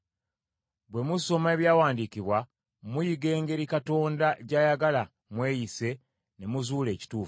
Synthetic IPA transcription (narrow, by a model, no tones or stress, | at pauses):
bwe̞muso̞me̞βjaːwaːndiciβwa | mujiɡe̞ːŋɡe̞ɾikato̞ːndaɟajaɡala | mwe̞ːjise̞ | ne̞muzuːle̞ːci̥tuːf